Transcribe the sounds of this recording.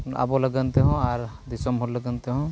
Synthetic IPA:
a̰bɔləɡənt̪eɦɔ̃aɾ | d̪isɔmɦɔɾləɡənt̪eɦɔ̃

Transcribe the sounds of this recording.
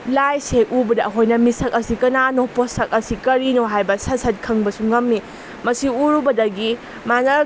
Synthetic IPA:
lajseubɐdɐɦojnɐmisɐk̚ɐsikɐnanoposɐk̚ɐsikɐɾinoɦajbɐsɐsɐt̚kʰɐŋbɐsuŋɐmːi | mɐsiuɾubɐdɐɡi | manɐ

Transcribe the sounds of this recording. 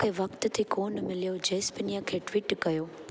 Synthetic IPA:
kʰeʋɐkt̪t̪ʰikoːnmɪlijod͡ʒeːspənijakʰeʈʋiʈkɐjoː

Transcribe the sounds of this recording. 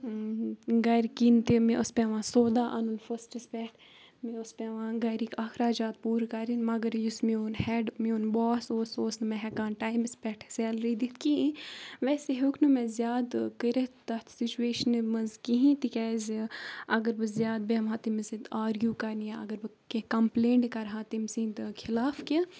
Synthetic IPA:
ɡɐjɾkint̪emẽʔʊspeʋãːsoːd̪aːʔɐ̰nunfɐsʈispɛːʈʰ | mẽʊspeʋãːɡɐjɾikaxʰɾaːd͡ʒaːt̪̚puːɾkɐɾinmɐɡəɾjusmioːnhɛːɖmioːnbɔːsoːsoːsnɨmɛ̃ɦɛkaːnʈaːimɪspɛːʈʰsɛːlɾid̪it̪ʰkiĩʋɛːseɦukʰnumẽzjaːd̪kəɾit̪t̪ɐt̪ʰsit͡ʃueːʃənemɐzkiɦĩːt̪ikʲɛːziɐɡəɾbɨzjaːd̪̚beːmɦaːt̪imɐsit̪aːɾɡjuːkɐɾnijaɐ̰ɡəɾbɨ | kekɐmpleːɳʈkɐɾɦãːt̪imsĩːnd̪kʰɪlaːfki

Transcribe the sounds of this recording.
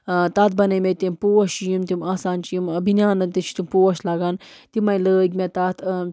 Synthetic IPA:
t̪at̪̚bɐnɐmʲet̪impoːɐʃijimt̪imaːsaːnt͡ʃijimbʱinjaːnɐt̪it͡ʃʰt̪impoɐʃlaːɡaːnt̪imɐjləːɡʲmʲet̪at̪ʰ

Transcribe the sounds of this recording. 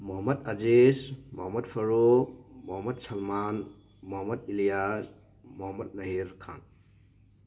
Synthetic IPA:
muɦamɐt̚ad͡ʒesmuɦamɐt̚pʰɐɾomuɦamɐt̚sɐlman | muɦamɐt̚ilijas | muɦamɐt̚nɐɦiɾkʰa̰n

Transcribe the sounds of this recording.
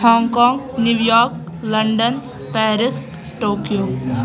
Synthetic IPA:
hɔ̃ːŋkɔːŋɡnjuʋjɔːɾk | lɐɳɖən | pɛːɾɪs | ʈoːkijoː

